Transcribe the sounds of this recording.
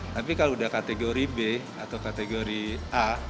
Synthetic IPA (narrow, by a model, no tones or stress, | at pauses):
t̪apikaloudahkat̪eɡoɾibe | at̪awkat̪eɡoɾiʔa